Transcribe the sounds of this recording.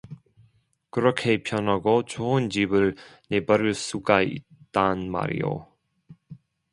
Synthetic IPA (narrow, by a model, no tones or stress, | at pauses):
kɯɾɔkʰepʰjʌnɦaɡɔt͡ɕʰoɯnd͡ʑibɯɭnebaɾɯɭsuɡaḭt͈ːanma̰ɾḭjo̰